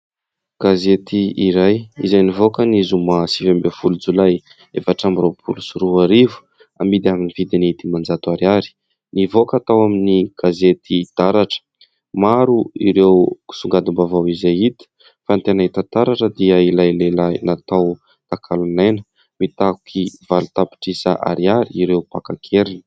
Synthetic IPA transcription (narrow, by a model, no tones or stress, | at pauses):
ɡ̥azet̪iiɾajḭzajnivokənizumasivambefulud͡zulaj | efaʈ͡ʂambiɾopʰulusuɾuaɾivu̥ | a̰mid̪iaminivid̪init̪imand͡zat̪uaɾaɾi̥ | nivokat̪awaminiɡ̥azet̪id̪̥aɾaʈ͡ʂə̥ | maɾuiɾewku̥suŋɡad̪imbavawizajit̪i̥ | fant̪enaɦit̪at̪aɾaʈ͡ʂəd̪iəilajlelajnat̪aw | t̪akʰalunenə̥ | mit̪aku̥kʰivalut̪api̥ʈ͡ʂisa̰ʔa̰ɾiaɾiiɾewpakakʰeɾini̥